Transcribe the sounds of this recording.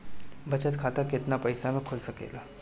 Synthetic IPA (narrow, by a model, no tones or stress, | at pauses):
ʋət͡ɕət̪kʰat̪aket̪napəjsamekʰolsəkḛla